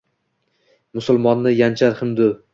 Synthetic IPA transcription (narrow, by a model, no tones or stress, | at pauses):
mʊsʊlˠmɒnːɪjant͡ʃʰaɾhɪmd̪ʊ